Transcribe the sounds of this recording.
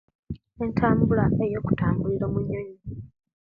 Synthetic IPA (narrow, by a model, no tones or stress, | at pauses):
e̞ntʰaːmbulae̞jo̞ːku̥taːmbuliɾomuɲoɲi